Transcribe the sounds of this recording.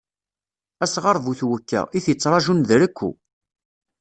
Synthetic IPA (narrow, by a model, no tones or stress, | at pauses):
æsʁəɾˤvuθwəkːæ̰iθjət͡sːɾˤɑʒunðɾəkʷːṵ